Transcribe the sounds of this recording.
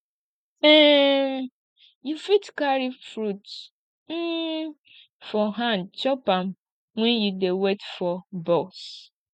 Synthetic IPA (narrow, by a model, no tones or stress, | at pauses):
ɛm | jufitkaɾifɾut | n̩ | fɔɦãnt͡ʃɔpam | ŋʷɛ̃njudewetfɔbɔs